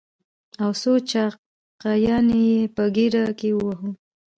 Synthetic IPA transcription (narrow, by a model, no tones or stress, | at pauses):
awsot͡ʃa | qajɑnejepəɡiɾakewəwaɦu